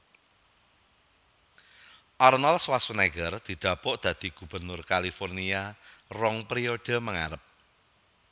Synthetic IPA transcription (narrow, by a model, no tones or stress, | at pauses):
ʔɔrnɔlswaswənɛɡərd̪̥i̤d̪̥ä̤pʊʔd̪̥ä̤d̪̥i̤ɡ̥ub̥ə̤rnʊrkalifɔrniarɔŋpɾioɖ̪̥ə̤məŋa̰ɾəp̚